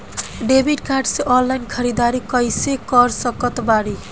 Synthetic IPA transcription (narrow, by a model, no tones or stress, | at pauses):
ɖebʱiɖkaɾɖseʔɔnlajnkʰəɾid̪aɾikʌjsekɔɾsəkət̪baɾi